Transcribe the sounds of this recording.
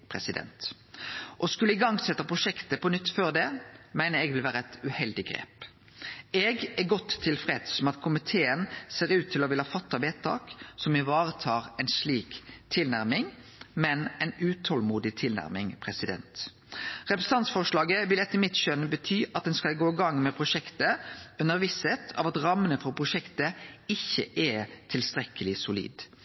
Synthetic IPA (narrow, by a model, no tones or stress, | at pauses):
pʰɾɛsɪd̪ɛ̰nt̪ | ʔɔskʉlːəɪɡɑŋsɛt̪ːəpʰʁʊʃɛkt̪əpɔnʏt̪ːføːʁd̪ɛmæɪnəɛɡʋɪlʋæːɾəɛt̪ʉhɛld̪ɪɡɾḛːp | ɛɡæɡɔt̪ʰːɪlfʁɛd̪sɔmɑt̪kʰʊmɪt̪ʰeːənseːʁʉːt̪ʰːɪlɔʋɪləhɑːfɑt̪ːɑʋeːt̪ʰɑ̰ːksɔmɪʋɑːʁət̪ʰɑːʁɛɪnsliːkt̪ʰɪlnæɾmɪŋ | mɛnɛɪnʉːt̪ʰɔlmuːd̪ɪt̪ʰɪlnæ̰ɾmɪŋpʰɾɛsɪd̪ɛ̰nt̪ | ʁɛpɾəsn̩t̪ɑnsfɔʂlɑːɡəʋɪlɛt̪ːəɾmɪt̪ʃœnbət̪ʰyːʔɑt̪̚d̪ɛnskɑlɡoːɪɡɑŋmɛpʰɾʊʂɛkt̪əʉnəɾʋɪsɛt̪ʰɑ̰ʋɑt̪ɾɑmːənəfɔɾpʰɾʊʃɛkt̪əɪçːə̰ʔɛt̪ʰɪlst̪ɾɛkəlɪsʊlḭːd̪